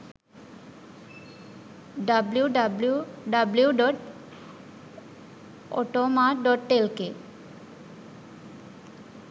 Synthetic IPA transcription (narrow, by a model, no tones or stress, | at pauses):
ɖabluɖabluɖabljuɖɔʈ | ɔ̰ʈomaɖɔʈʈelke